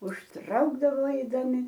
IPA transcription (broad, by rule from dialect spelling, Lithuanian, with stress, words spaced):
ʊʃˈtrɐʊɡdɐʋoː ɐɪdɐˈmʲɪ